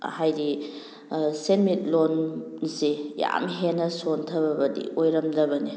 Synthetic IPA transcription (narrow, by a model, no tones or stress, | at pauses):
hajɾi | senmit̚lonseja̰mɦenɐsontʰɐbɐbɐdḭʔojɾɐmdɐbɐni